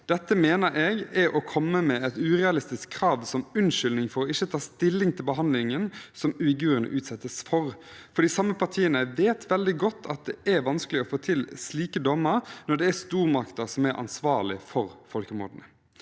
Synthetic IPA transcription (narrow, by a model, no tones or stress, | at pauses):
d̪ɛt̪ːəmeːnəɾʔeːɡɛʔɔkʰɔmːəmɛɛt̪ʉːʁɛɑlɪst̪ɪskʰːɾɑːʋsɔmʉnʃʏlnɪŋfɔɾɔɪçːət̪ʰɑːst̪ɪlːɪŋt̪ʰɪlbəɦɑnd̪lɪŋənsɔmʉɪɡʉːɾənə̰ʔʉːt̪sɛt̪ːəsfɔʁfɔɾɖ̪iːsɑmːəpʰɑɾt̪ʰiːənəʋeːt̪ʰʋɛld̪ɪɡɔt̪ʰːɑt̪̚d̪ɛʔæʋɑnskəlɪɔfoːt̪ʰɪlsliːkəd̪ɔməɾnɔd̪ɛæst̪uːʁmɑkt̪əsɔmæɾʔɑ̰nsʋɑːɭɪfɔɾfɔlkəmo̰ːd̪n̩ə